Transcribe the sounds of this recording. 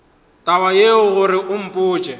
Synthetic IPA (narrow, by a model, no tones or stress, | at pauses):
tʼawajeʊɣʊɾɪʔʊm̩pʼʊːt͡ʃʼɛ